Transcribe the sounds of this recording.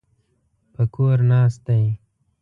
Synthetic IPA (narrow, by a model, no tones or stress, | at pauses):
pəkoːɾnaːst̪aj